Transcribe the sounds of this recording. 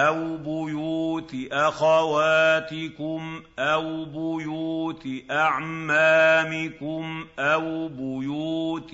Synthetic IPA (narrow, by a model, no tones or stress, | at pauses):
ʔawbʊjuːt̪ʔaxawaːt̪ɪkʊmʔawbʊjuːt̪ʔaʕmaːmɪkʊmʔawbʊjuːt̪